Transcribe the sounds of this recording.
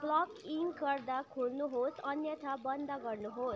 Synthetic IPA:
blɔkiŋɡkʌɾd̪akʰulnuɦosʌnjət̪ʰabʌnd̪aɡʌɾnuɦos

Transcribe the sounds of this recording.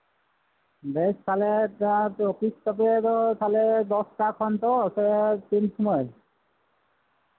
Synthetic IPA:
beʃt̪ʰaleapokist̪ɔp̬et̪ot̪ʰaled̪ɔsʈakʰɔnt̪oset̪inʃɔmɔe

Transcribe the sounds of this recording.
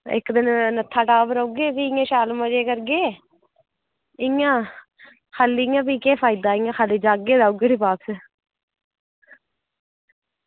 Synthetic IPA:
ɪ̰kd̪ɪnnət̪ʰːaːʈaːʋəɾouɡeːpiːɪãːʃaːlmãːd͡ʒeːkəɾɡeː | ɪŋãː | kʰaːlːijãːpiːkeːpʰaːɪd̪aːɪŋãːkʰaːliːd͡ʒaːɡeːd̪aːuɡeːʈiːpaːps

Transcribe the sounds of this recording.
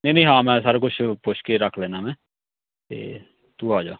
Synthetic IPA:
neĩːnəĩːɦãːmɛ̃ːsəɾkʊt͡ʃʰpʊt͡ʃʰkeɾəkʰleːnaːmɛ̃ː | t̪ḛː | t̪uːaːd͡ʒaː

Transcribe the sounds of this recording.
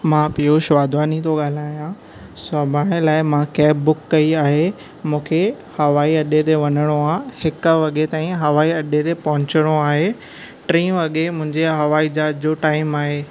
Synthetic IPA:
mãːpijoʃʋaːd̪ʱʋaːnit̪oɠaːl̤aːjã | sɐbʱaːɽ̃ɪlaːɪmãkɛːbːʊkːɐiaːɦe | mũːkʰe | hɐʋaːiɐɗet̪eʋɐnəɽ̃oahɪkʋɐɠet̪aːĩɦɐʋaːiɐɗet̪epɐɦʊ̃t͡ɕəɽ̃oaːɦeː | ʈɾĩːɐɠemʊ̃ɦɪ̃ɲd͡ʑeɦɐʋaːid͡ʑaːd͡ʑd͡ʑoːʈaːɪmaːɦeː

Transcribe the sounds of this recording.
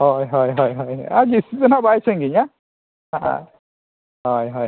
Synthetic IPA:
ɦɔjɦɔjɦɔjɦɔjaɡisizɔnabajsɛŋɡiɲa | aa̰ | ɦɔjɦɔj

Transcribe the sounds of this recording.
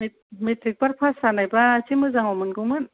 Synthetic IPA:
metɾik̚baɾ̚pʰasanajbat͡ʃimɯzaŋɔmɯnɡɯwŋmɯn

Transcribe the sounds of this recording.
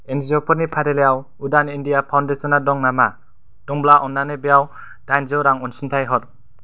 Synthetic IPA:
enzɔpʰɔɾnipʰaɾelejaw | udanindijapʰawndesɔnadɔŋnama | d̥ɔŋblaʔɔnːanebejaw | dajnzɔwɾaŋɔnsintʰajɦɔt̚

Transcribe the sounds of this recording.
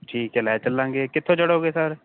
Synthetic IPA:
ʈʰiːkɛːlɛːt͡ʃəlːãːŋɡeːkɪt̪ʰːõːt͡ʃəɽoːɡeːsəɾ

